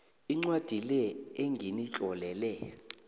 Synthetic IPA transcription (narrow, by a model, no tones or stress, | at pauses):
iŋ͡ǀwad̥ʱilɛeŋɡʱinit͡ɬʼɔlɛlɛ